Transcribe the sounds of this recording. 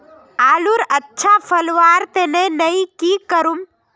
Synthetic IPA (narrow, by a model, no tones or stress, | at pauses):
aːluɾətːʃʰapʰəlʋaːɾt̪enenəĩkikəɾum